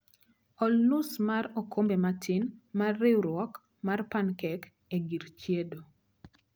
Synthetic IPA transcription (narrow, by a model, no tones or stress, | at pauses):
ɔlnusmarɔkʰombematʰɪnmarːewɾwɔk | marpankɛk | eɡiɾt͡ʃjedo